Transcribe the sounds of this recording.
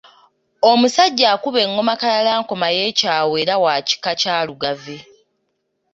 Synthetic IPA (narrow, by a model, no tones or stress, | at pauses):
o̞musaɟːaːkuβe̞ŋːo̞makalalaːŋko̞maje̞ːcaːwe̞ːɾawaːci̥kacaːluɡave